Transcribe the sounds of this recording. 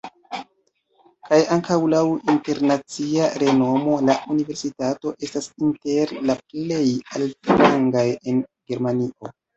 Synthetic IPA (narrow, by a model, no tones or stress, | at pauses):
kajaŋkawlawinte̞ɾnat͡siaɾe̞no̞mo̞laʔunive̞ɾsitato̞ʔe̞stasinte̞ɾlaple̞jaltlaŋɡaje̞nɡe̞ɾmaniʔo̞